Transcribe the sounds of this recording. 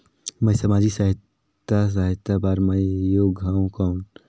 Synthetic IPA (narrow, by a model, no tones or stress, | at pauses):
məisɐmaːd͡ʒisaɦɪt̪ː | as̬aɦɪt̪abaːɾməjoːɡaːũkɔːn